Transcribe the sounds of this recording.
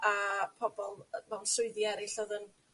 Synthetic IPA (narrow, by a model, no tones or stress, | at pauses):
apʰɔbɔlˠmɛwnsʊɨðiɛɾɪɬɔðən